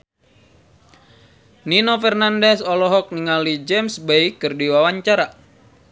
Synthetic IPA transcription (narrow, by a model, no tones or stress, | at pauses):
ninofɛrnandɛsɔlɔɦɔk̚niŋalid͡ʒɛmsbejkɨrdiwawaɲt͡ʃaɾa